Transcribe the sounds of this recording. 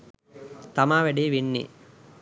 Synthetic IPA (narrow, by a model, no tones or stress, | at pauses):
t̪ɐmaːʋæɖiːʋinːḭ